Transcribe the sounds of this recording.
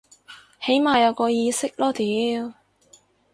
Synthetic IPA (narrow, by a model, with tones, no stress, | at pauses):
he˨˥jmaː˨˧jɐ˨˧wkɔː˧jiː˧sɪ˥k̚lɔː˥t̪iː˨˥